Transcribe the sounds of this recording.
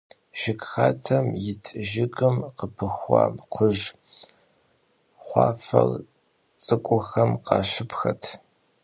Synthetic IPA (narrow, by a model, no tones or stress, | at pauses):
ʒ̥ɪkxaːtʰɐmjɪt͡sʰʼʒɪɡʼɨmqəpʰɨxʷɑ̰ːmqʷʰʊʒ | χʷɑːfɐ̰l | t͡sʼɨkʷʼʊxɐmqɑːʃɪpʰxɐtʰ